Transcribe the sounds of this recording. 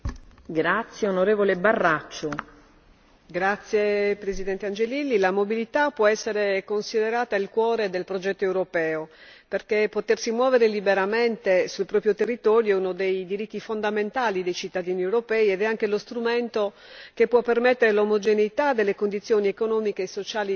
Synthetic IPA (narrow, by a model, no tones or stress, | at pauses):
ɡɾat̪sːjeonoɾeːvolebarːat͡ʃːo | ɡɾat̪sːjepɾezid̪ɛnt̪eand͡ʒelilːilamobilit̪apːwɔɛsːeɾekonsid̪eɾaːt̪ailkwɔːɾed̪elpɾod͡ʒɛt̪ːoewɾopɛːo | perkepːot̪ersimwɔːveɾelibeɾament̪esulpɾɔːpɾjot̪erːit̪ɔːɾjounod̪ejd̪iɾit̪ːifond̪ament̪aːlid̪ejt͡ʃit̪ːad̪iːniewɾopɛːiɛd̪ɛaŋk̟elost̪ɾument̪o | kepːwɔpːermet̪ːeɾelomod͡ʒeneit̪ad̪elːekond̪it̪sjoːniekonɔːmikeːsːot͡ʃaːli